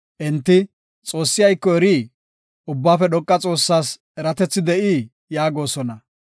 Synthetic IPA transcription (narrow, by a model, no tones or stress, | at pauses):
ʔɛnt̪ːɪ | t͡sʼo̞ːsːɪjɐjkːɔɛɾiː | ʊbːaːfɛɗɔkʼːɐt͡sʼo̞ːsːaːs | ɛɾɐt̪ɛt͡sːɪd̪ɛʔiː | jaːɡo̞ːsɔnɐ